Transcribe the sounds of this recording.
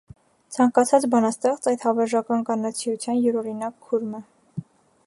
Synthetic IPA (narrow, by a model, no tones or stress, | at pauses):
t͡sʰɑŋkɑt͡sʰɑt͡sbɑnɑst̪ɛχt͡sɑjt̪hɑvɛɾʒɑkɑnkɑnɑt͡sʰijut͡sʰjɑnjɛɾɔɾinɑkʰːuɾmə